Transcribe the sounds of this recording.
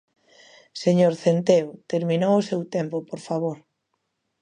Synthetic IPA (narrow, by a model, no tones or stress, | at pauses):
seɲoɾθent̪eot̪eɾmĩnowʊsewt̪empopoɾfaβoɾ